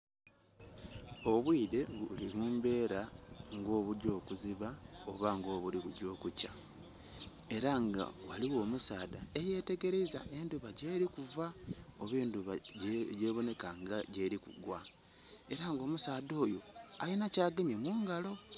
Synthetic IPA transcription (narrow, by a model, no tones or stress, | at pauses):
o̞βwiːde̞βulimuːmbe̞ːɾaŋɡo̞ːβuɟo̞ːkuziβao̞βaŋɡo̞ːβuliβuɟo̞ːkuca | e̞ɾaŋɡa̰waliwo̞ːmusaːdae̞je̞ːte̞ɡe̞ɾeizaʔe̞nduβaɟe̞ːɾikuvao̞βeːnduβaɟɟe̞ːβo̞ne̞kaŋɡaɟe̞ːɾikṵɡwa | e̞ɾaŋɡo̞ːmusaːdo̞ːjo̞ajinacaːɡeɲemuːŋɡalo̞